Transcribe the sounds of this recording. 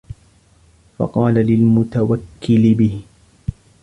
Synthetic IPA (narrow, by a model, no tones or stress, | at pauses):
fɑ̰qɑːlalɪlmʊt̪awakːɪlɪbɪh